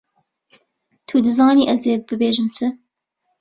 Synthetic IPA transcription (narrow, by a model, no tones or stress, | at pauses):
t̪ʰuːd̪ɨzɑːniːʔɐzeːbɨbeːʒɨnt͡sɨ